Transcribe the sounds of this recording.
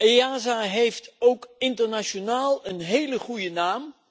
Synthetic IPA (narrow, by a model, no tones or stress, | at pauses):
eaːzaɦejftowkɪntərnaʃonaːlˠənɦejləχujənaːm